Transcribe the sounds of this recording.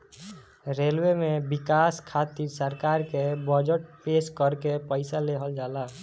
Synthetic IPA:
ɾelwemebikaskʰat̪iɾsəɾkaɾkebəd͡ʒəʈ̚peskəɾkepəɪsaleɦəld͡ʒala

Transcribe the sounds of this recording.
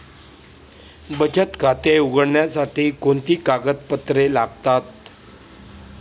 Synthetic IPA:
bəd͡ʑət̪kat̪euɡəɽɳjasaʈiːkoɳt̪iːkaɡət̪pət̪ɾelaɡ̚t̪at̪

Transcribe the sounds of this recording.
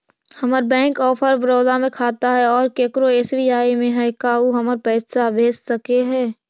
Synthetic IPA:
hɐməɾbɛ̃ːŋkɔːpʰəɾbɾoːd̪amẽkʰaːt̪aɦɛɔːɾkeːkɾoeːsbiːaːimẽɦɛkauɦɐməɾpɛːsabʱeːssɐkeɦɛː

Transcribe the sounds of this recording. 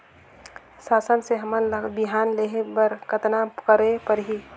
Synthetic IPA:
saːsənseɦəmənbiɦanleɦepəɾkət̪nakəɾepəɾɦi

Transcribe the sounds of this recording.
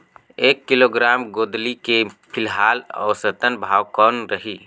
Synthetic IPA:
eːkːiloɡɾaːmɡoːd̪likepʰɪlɦaːlɔ̰ːsət̪ənbʱaːwkɔːnɾəɦi

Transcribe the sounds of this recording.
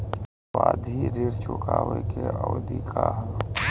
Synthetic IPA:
waːd̪ʱiɾiɾt͡ʃʊkaːwekeʔɔːd̪ikʰa

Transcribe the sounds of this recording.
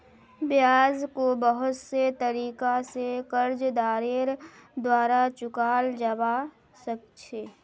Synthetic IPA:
bjaːzkobəɦʊt̪set̪əɾiːkasekəɾd͡ʒd̪aːɾeɾd̪waːɾat͡ʃʊkaːld͡ʒəba | sək̚t͡ʃʰeː

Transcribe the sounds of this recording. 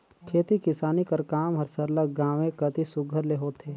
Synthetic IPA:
kʰeːt̪ikɪsaːnikɐɾkaːmɦɐɾsɐɾləɡɡãːʋẽkɐt̪isʊɡʱəɾleɦoːt̪ʰeː

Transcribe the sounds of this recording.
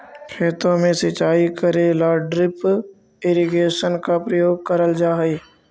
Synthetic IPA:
kʰeːt̪õmẽsət͡ʃaːikəɾelaːɖɾɪp | eːɾɪɡeːʃənkapɾəjoːɡ̚kəɾəld͡ʒaːɦe

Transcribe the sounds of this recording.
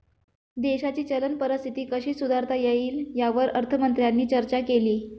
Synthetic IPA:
d̪eɕat͡ɕiːt͡ɕələnpəɾəst̪ʰit̪iːkəɕiːsud̪ʱaɾt̪ʰajeiːljaʋəɾəɾt̪ʰəmənt̪ɾjanːiːt͡ɕəɾt͡ɕakeliː

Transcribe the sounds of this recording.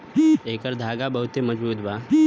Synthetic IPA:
eːkəɾd̪ʱaːɡabəɦʊt̪emɐd͡ʒbuːt̪baː

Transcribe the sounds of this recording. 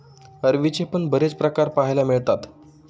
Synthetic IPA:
əɾʋit͡ɕepəɳbəɾet͡spɾəkaɾpaɦjlamiɭt̪at̪

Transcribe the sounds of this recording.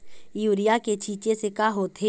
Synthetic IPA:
juːɾijaket͡ʃʰiːt͡ʃesekaɦoːt̪ʰe

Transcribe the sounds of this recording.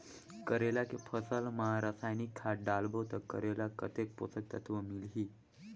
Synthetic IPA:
kəɾelakipʰəsəlməɦaɾasajnikʰːaɖalbət̪əɾkə̰ɾelakət̪ek̚po̰t͡səkt̪ət̪ʰʋəmilɦiː

